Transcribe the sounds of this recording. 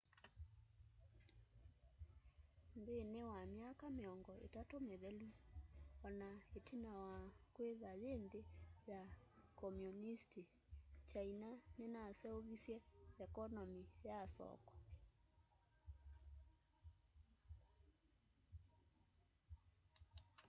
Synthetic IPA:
ndenewamjakameɔŋɡɔʔḛtatomeðɛluɔnaetinawakweðaðeːndejakɔmjunisti | t͡ʃainanenasɛoβisjɛɛkɔnɔmijasɔ̰kɔ̥

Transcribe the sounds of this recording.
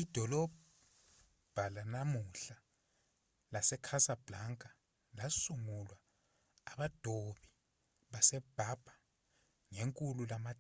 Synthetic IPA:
id̥ʱɔlɔb | b̥ʱalanamuɬa | lasɛkʰasab̥laŋkʼa | lasuŋulwaː | ɓad̥ʱoɓi | ɓasɛb̥ʱab̥ʱa | ŋeŋkʼululama

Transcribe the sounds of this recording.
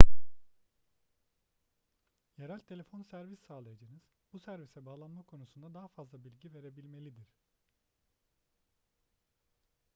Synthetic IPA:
jeɾælʲt̪ʰelʲefo̞nsæɾvisːaːlˠajad͡ʒanɯz̥ | busæɾvisɛbaːlˠanmakʰo̞nusund̪ad̪aɦafazlˠabilʲɟive̞ɾe̞bilʲme̞lʲid̪iɾ̥

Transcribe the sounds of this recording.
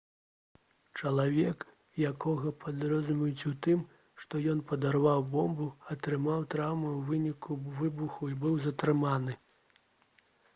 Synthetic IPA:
t͡ʂɐlˠavʲɛk | jakɔɣɐpʰad̪ɾɔzumʲijut͡sʲut̪ɨm | ʂt̪ɔjɔnpɐd̪arvawbɔmbuɐt̪ɾɨmawt̪ɾawmɐwvɨnʲikuvɨbuxuibɨwzɐt̪ɾɨmanɨ

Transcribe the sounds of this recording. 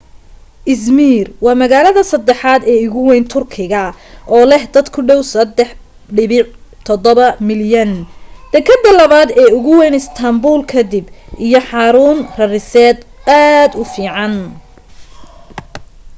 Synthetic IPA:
ʔɪsmiːrwɑːmɐɣaːlɐðɐsɐd̪ɛħaːd̪ɛːʊɣʊwɛjnt̪ʰʊrkʰɪɣɐʔɔːlɛhd̪ɐd̪kʰʊɖɔwsɐd̪ɛħ | ɖɪβɪt̪ʰɔd̪ɔβɐmɪljɐnd̪̥ɛkʰɐd̪ːɐlɐβaːd̪ɛːʊɣʊwɛjnɪst̪ʰɐmbuːlkʰɐd̪ɪbʔijɞħɑːɾuːnrɐrɪsɛːd̪aːd̪ʊfiːʕɑn

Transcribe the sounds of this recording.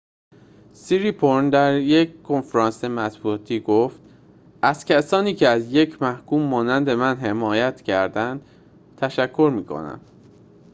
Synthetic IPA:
siɾipʰoɾnd̪æɾjeckʰo̞nfɾɒːnsemæt̪buɒt̪ʰiːɡoft̪ | ʔæz̥cʰæsɒːniːcʰeæzje̞cʰmæhkuːmːɒːnænd̪e̞mænɦe̞mɒːjæt̪ʰcʰæɾd̪ænd̪̥ | t̪ʰæʃækʰːo̞ɾmiːkʰo̞̰næ̰m

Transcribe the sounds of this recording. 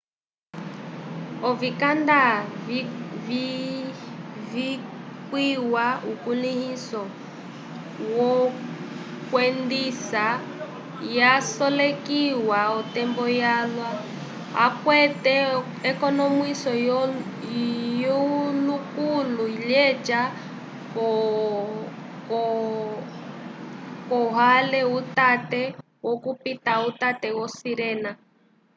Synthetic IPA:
ɔvikanda | vi | vikwiwaukunihisɔ | wɔ | kwɛndisa | jasɔlekiwaɔtɛmbɔjalwa | a̰kwɛtɛ | ɛkɔnɔmwisɔ | jɔlukuluiʎɛd͡ʒa | kɔ | k | kɔɦalɛutatɛ | wɔkupitautatɛwɔsiɾɛna

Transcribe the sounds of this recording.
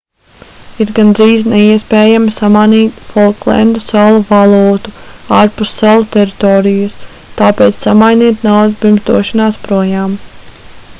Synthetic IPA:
iɾɡand̪ɾiːznɛiɛspɛːjamisamaniːt̪fɔlˠklˠɛ̰nd̪usalˠuvalˠuːt̪uaːɾpust̪ːalˠt̪ɛɾit̪ɔːɾijɐs | t̪aːpeːt̪ssamajniɛt̪nawd̪pimzd̪ṵɔʃanaːspɾuɔjaːm

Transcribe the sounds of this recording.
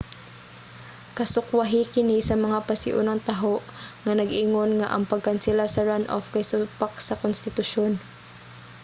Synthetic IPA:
kɐsʊkwaɦɪkɪnisɐmɐŋapasɪʔṵnɐŋt̪aɦoʔŋanɐɡʔɪŋonŋa̰ʔɐ̰ŋpɐɡ̚kansɪlasɐɹanʔo̰fkajsʊpak̚sɐkonst̪ɪt̪ʊʃon

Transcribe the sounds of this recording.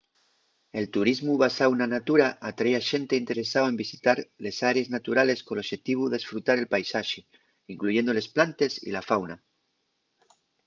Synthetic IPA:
e̞lt̪uɾizmuβasawnanat̪uɾaʔat̪ɾajaʃe̞nt̪e̞int̪e̞ɾe̞saoe̞mbisit̪aɾle̞saɾeeznat̪uɾale̞skonoʃe̞t̪iβ̞uðe̞sfɾut̪aɾe̞lpajsaʃe | iŋkluʝe̞nd̪ole̞splant̪e̞sḭlafawna

